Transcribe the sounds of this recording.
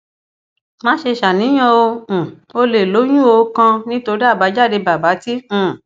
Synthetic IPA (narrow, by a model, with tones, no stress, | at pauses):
mã˦ʃe˧ʃa˨nĩ˨˦j̃ã˧õ˧˨ | o˧le˨lo˨˦j̃ũ˦o˧kã˧nĩ˦to˧ɾi˦a˦˨ba˨˦d͡ʒa˦˨de˧ba˨ba˨˦tĩ˦˨